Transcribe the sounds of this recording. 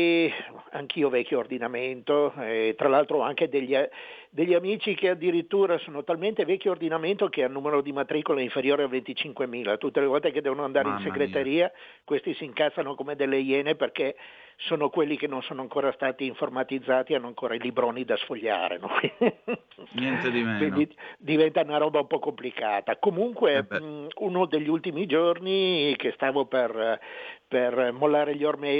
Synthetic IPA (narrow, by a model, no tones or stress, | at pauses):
eaŋk̟ʰiːovɛk̟joːrd̪inament̪oet̪ːɾalalt̪ɾoaŋk̟ed̪eʎːia | d̪eʎːiamiːt͡ʃikead̪iɾit̪ːuːɾasoːnot̪alment̪evɛkːjoːrd̪inament̪okeanːuːmeɾod̪imat̪ɾikoleiɱfeɾjoːɾeavent̪it͡ʃiŋkwemiːlat̪ut̪ːelevɔlt̪eked̪ɛːvonoand̪aːɾeinseɡɾet̪eɾiːa | kwest̪isiːŋkasːanokomed̪elːejɛneperke | soːnokwelːikenonsoːnoaŋkoːɾast̪aːt̪iːɱformat̪id̪zːaːt̪ianːoaŋkoːɾailibɾoːnid̪asfoʎːa̰ːɾḛnoki | ɲɛnt̪ed̪ikːwind̪id̪ivɛnt̪aunaɾɔbaumpɔkomplikaːt̪akomuŋkweunod̪eʎːult̪imid͡ʒornikest̪aːvoper | permolːaːɾeʎormɛ